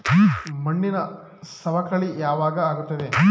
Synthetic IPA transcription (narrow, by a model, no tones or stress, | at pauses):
mɐɳːinɐ | sɐʋɐkɐɭijaːʋaːɡɐaːɡut̪ːɐd̪e